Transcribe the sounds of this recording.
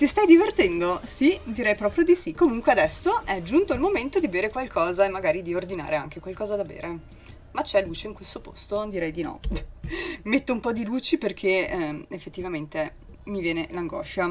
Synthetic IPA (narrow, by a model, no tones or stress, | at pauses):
t̪ist̪ajd̪ivert̪ɛnd̪osid̪iɾɛjpɾɔːpɾjod̪isikːomuŋkwead̪ɛsːoʔɛd͡ʒunt̪oilmoment̪od̪ibeːɾekwalkʰɔːzaemːaɡaːɾid̪iord̪ina̰ːɾeaŋk̟ekwalkɔːzad̪abḛːɾe | mat͡ʃːɛluːt͡ʃeiŋkwest̪opost̪od̪iɾɛjd̪inɔ̰ | met̪ːoumpɔd̪iluːt͡ʃiperk̟ʰeefːet̪ːivament̪e | mivjɛːnelaŋɡɔ̰ːʃa